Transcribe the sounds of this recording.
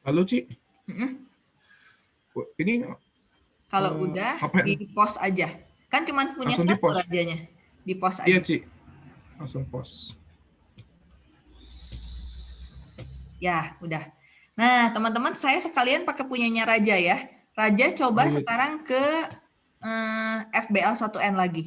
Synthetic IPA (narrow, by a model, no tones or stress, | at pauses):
lalot͡ʃi | m̩m̩ | iniŋa̰ | kaloudahaaipɔsa̰d͡ʒa | kant͡ʃumanpuɲɲaŋipɔɾad͡ʒaɲa | dipɔsa̰jat͡ʃi | laŋsʊŋpɔ̰s | jaudah | nat̪əmənt̪̬əmansajasəkalianpakepuɲaɲaɾad͡ʒaja | rad͡ʒat͡ʃobasəkaɾaŋkə | əɛfbeɛlsat̪uɛnlaɡi